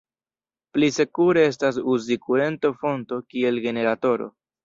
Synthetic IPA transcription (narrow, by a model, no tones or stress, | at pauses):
plise̞kuɾee̞s̬tas̬uzikue̞ntofo̞nto̞kie̞lɡe̞ne̞ɾato̞ɾo̞̰